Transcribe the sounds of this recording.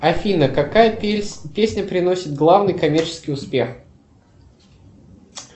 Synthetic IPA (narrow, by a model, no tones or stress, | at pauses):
ɐfʲinəkɐkajəpʲesʲnʲəpɾʲɪno̞sʲɪt̪̚ɡlˠavnɨjkɐmʲert͡ɕɪ̥skʲijʊspʲe̞x